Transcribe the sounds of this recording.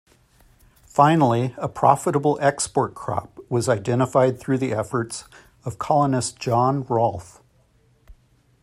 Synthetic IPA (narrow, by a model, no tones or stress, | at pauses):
fãɪ̃nl̩ˠiəpʰɹ̥ɑ̰fəɾəbl̩ˠɛkspɔɹt̚kʰɹ̥ɑ̰p̚wʌzaɪdɛ̃ɾ̃əfaɪd̪̚θɹʉðiʔɛfə˞ts | ʌv̥kʰɑlˠənɨsd̥ʒ̥ɑ̃nɹɔlˠθ